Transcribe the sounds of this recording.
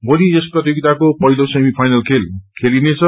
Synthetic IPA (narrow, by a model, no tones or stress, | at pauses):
boliesprʌt̪joɡit̪akopʌɦilosemipʰajnʌlkʰelkʰelinet͡sʰʌ